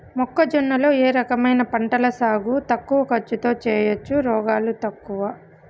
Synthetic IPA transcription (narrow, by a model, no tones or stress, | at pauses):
mɔkːɐd͡ʒɔnːɐlo̞ːeːɾɐkɐmɐjnɐpɐɳʈɐlɐsaːɡut̪ɐkːuʋɐkɐt͡ʃːut̪o̞ːt͡ʃɛːjɐt͡ʃːuɾɔːɡaːlut̪ɐkːuʋɐ